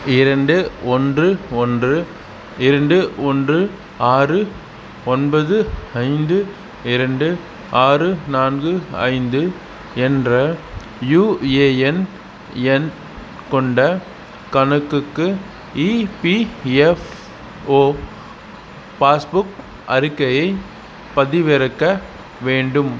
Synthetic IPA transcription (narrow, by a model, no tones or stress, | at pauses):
ɪɾɐɳɖɯɔndrɯɔndrɯ | ɪɾɐɳɖɯɔndrɯ | aːrɯ | ɔnbɐðɯɐɪnd̪ɯ | ɪɾɐɳɖɯ | ʔaːrɯnaːnɡɯɐ̰ɪnd̪ɯ | ɛndrɐ | juːeːɛn | ɛn | kɔɳɖɐ | kɐnɯkːɯkːɯ | iːpiɛf | oː | paːsbʊk | ʔɐɾɯkːɐjɐɪ | pɐðɪʋɪɾɐkːɐ | ʋeːɳɖɯm